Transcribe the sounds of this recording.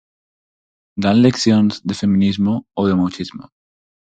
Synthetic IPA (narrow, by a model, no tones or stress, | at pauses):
d̪anlekθjonzðefe̞mĩnizmooðemawt͡ʃizmo